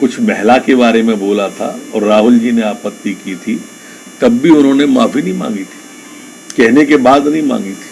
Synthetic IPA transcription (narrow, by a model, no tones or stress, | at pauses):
kʊt͡ʃʰmɛɦlakeβaːɾemẽboːlat̪ʰa̰ɔːɾːaːɦʊld͡ʒiːneaːpət̪ːikit̪ʰi | t̪ɐbːiʊnɦõnemaːfinɐɦĩmã̰ːŋɡit̪ʰi̥ | kɛɦnekebaːd̪nɐɦĩmã̰ːŋɡit̪ʰi̥ː